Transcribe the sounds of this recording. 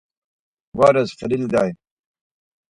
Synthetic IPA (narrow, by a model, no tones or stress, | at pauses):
waːɾɐzfɐlild̪aːj